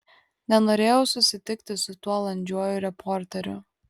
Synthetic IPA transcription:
nʲɛnoːɾʲeːjɛʊsʊsʲɪt̪ʲɪkt̪ʲɪsʊt̪uɔlˠɐnʲd͡ʒʲuɔjʊɾʲɛpʰɔɾʲt̪ʲɛɾʲʊ̰

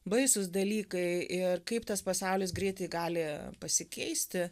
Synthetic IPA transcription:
bɐɪsʊs̬d̪ɐlʲiːkɐɪɪrkɐɪpt̪ɐspɐsɐʊlʲɪsɡɾʲiɪt̪ɐɪɡɑːlʲɪpɐsʲɪkʲɛɪsʲt̪ʲɪ

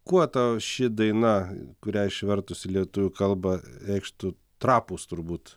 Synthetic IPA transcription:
kuɔt̪ɐʃʲɪd̪ɐɪnɐkʊɾʲæːɪʃʲʋʲɛrt̪ʊsʲɪlʲiɛt̪uʋʲʊkɐlˠbɐɛɪkʃt̪ʊ | t̪ɾɑːpuːst̪ʊɾbuːt̪

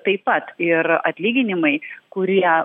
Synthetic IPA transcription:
t̪ɐɪppɐt̪ɪɾɐt̪ʲlʲiːɡʲɪnʲɪmɐɪkʊɾʲiɛ

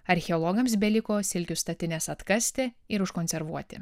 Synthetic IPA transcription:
ɐɾʲxʲɛɔlˠɔɡɐmsbʲɛlʲɪkoːsʲɪlʲkʲʊst̪ɐt̪ʲɪnʲeːsɐt̪kɐsʲt̪ʲeɪɾʊʃkonʲsʲɛɾʋuɔt̪ʲɪ̰

